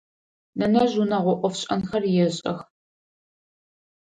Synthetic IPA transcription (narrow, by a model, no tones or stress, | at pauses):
nɐnɐʑunɐʁʷɔʔʷɔfɕʼɐ̰nxɐrjɛɕʼɐx